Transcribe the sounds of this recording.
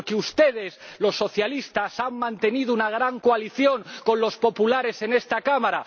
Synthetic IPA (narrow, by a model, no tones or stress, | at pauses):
ɾkeust̪e̞ð̞e̞slo̞sːo̞θjalist̪asammãnt̪e̞nið̞ounaɣ̞ɾaŋkoaliθjo̞ŋko̞nlo̞spo̞pulaɾe̞se̞ne̞st̪akamaɾa